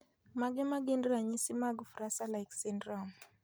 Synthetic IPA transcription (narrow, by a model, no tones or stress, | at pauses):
maɡɪmaɡendɾaɲisimaɡfɾasalaɪksɛndɾɔm